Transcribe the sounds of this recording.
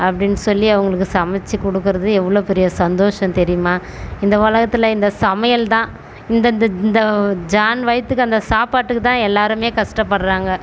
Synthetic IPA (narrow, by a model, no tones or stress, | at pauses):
ɐpːɐɽɪnːɯsɔlːiɐʋɐŋɡɐɭɯkːɯsɐmɐt͡ʃːikɔɽɯkːɯɾɐðɯɛʋːɐɭoːpɛɾɪjɐsɐnd̪oːʂɐ̃mt̪ɛɾɪjɯmaː | ɪnd̪ɐʋɐɭɐɣɐt̪ːɪlɐɪnd̪ɐsɐmɐjɐlt̪ãː | ɪnd̪ɐnd̪ɪnd̪ɐd͡ʒaːnʋɐjɐt̪ːɯkːɯɐnd̪ɐsaːpaːʈːɯkːɯt̪ãːɛlːaːɾɯmeːkɐʂʈɐpːɐɽɾaːŋɡɐ